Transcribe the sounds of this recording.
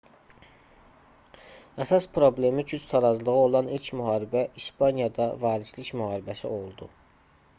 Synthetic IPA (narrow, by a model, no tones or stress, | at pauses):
æsɑspʰɾo̞ble̞micʰyt͡ʃt̪ʰɑɾɑzlˠɯɣɯo̞lˠɑnilcʰmyɦɑːɾibæʔiʃpʰɑnjɑd̪ɑvɑːɾislicmyhɑːɾibæsio̞lˠd̪u